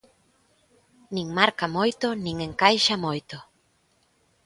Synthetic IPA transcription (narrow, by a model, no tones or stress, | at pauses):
nĩŋmaɾkamojt̪ʊnĩŋeŋkajʃamojt̪o